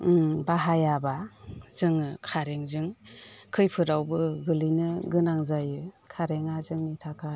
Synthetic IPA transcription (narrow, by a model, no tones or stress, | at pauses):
baɦajabazɯŋɯkʰaɾeŋzɯŋkʰɯjpʰɯɾawbɯɡɯlinɯɡɯnaŋzajɯkʰaɾeŋazɯŋnitʰakʰa